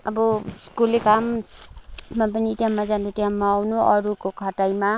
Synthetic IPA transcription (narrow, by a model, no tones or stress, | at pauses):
ʌbʌskulekam | map̬ʌniʈiamːad͡zanuʈiamːaːwnuʔʌɾukokʰʌʈajma